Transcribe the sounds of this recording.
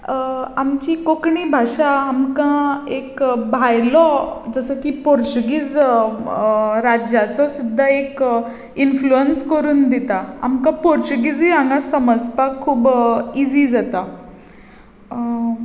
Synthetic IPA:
amt͡ɕiːkokɳiːbʱaʂaamkãekbʱajlɔd͡zəsəkiːpɔɾt͡ɕuɡiːd͡z | ɾad͡ʑjat͡sɔsud̪ʱːaek | influənskəɾuːnd̪it̪aa̰mkãpɔɾt͡ɕuɡid͡ziaŋɡãsəməd͡zpakʰːuːbid͡ziːd͡zat̪a

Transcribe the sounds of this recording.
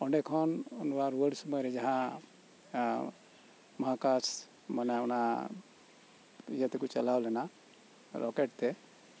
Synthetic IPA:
ɔɳɖɛkʰɔnunbaɾwəɖsɔmɔjɾɛd͡ʒaɦã | maɦakas | manaɔna | ijat̪ɛkut͡ʃalawlɛna | ɾɔkeʈt̪ɛ

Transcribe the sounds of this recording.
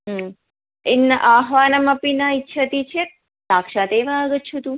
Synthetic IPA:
ɦ | ɪnːəʔaɦʋanaməpinaitːʃʰət̪it͡ʃʰe | sakʃat̪eʋãaɡətt͡ʃʰut̪ũ

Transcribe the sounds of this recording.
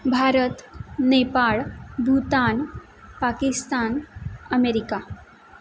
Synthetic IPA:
bʱaɾət̪nepaɭbʱut̪aːn | pakist̪anəmeɾika

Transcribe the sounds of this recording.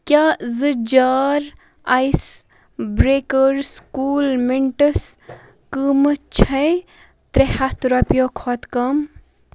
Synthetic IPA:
kʲjazɨd͡ʒaːɾ | ajs | bɾeːkəɾskuːlmiɳʈəs | kəmɨt͡ʃʰɐj | t̪ɾehɐt̪ɾɐpjoːkʰoːt̪kɐm

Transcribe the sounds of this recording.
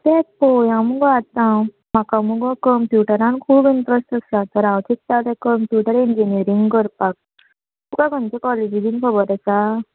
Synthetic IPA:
t̪et̚pojãmuɡɔat̪ã | makamuɡɔkəmpjuʈəɾãnkʰuːbint̪ɾəsʈ̪əsat̪əɾawt͡ʃʰikt̪at̪ekəmpjuʈəɾind͡ʒiniəɾiŋɡkəɾpak̚ | t̪ukaɡʱə̃nt͡ɕekɔled͡ʑid̪inkʰɔbəɾɛsa

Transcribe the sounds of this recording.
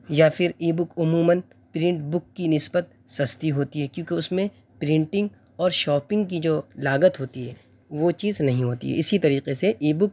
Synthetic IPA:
jafʰɪɾiːbʊkʊmuːmən | pɾɪ̃ɳʈbʊkːinɪsbət̪̚sɐst̪iɦoːt̪iɦɛkjõːkeʊsmẽ | pɾɪ̃ɳʈɪ̃ŋɡ | ɔːɾʃɔːpɪ̃ŋɡk̬id͡ʒoːlaːɡət̪ɦoːt̪iɦɛː | ʋot͡ʃiːznɐɦĩɦoːt̪ḭɦɛ̰ʔɪsit̪ɐɾiːqeseʔiːbʊk̚

